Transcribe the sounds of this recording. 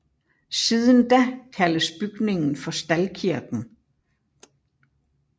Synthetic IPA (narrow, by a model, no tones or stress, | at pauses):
siːðˠənd̥ækʰæləsb̥yɡ̥ne̝ŋn̩fɒ̽sd̥ælkʰiɐɡ̥n̩